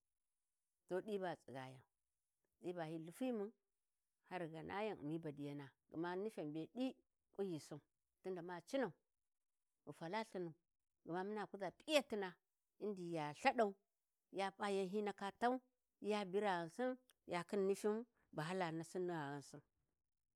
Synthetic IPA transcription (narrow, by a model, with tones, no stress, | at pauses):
to˦ɗi˦ba˨t͡sʼi˨ɡa˨ja˨n | ɗi˦ba˨hi˦lu˨fi˦mu˦n | ha˦ɾɡa˨nʔa̰˦ja˦n̰˨mi˦ba˨di˨ja˨na˨ɡṵ˨ma˦ni˦fa˨mbe˨di˦ | ku˦ji˨su˦n | tu˦nda˨ma˦t͡ʃi˦na˨u˨ | u˨fa˨la˦ɬi˦na˨u˨ | ɡu˨ma˦mi˦na˨ku˦za˨pʼi˦ja˦ti˦na˨ | i˦ndi˨ja˨ɬa˦ɗa˨u˦ | ja˦pa˦ja˦nɦi˦na˦ka˦ta˦u˦ | ja˦bi˦ɾa˨ɣa˨nsi˦n | ja˨ki˦nːi˦fi˦m | ba˨ɦa˦la˨na˨si˦nːi˦ɣa˨ɣa˨nsu˦n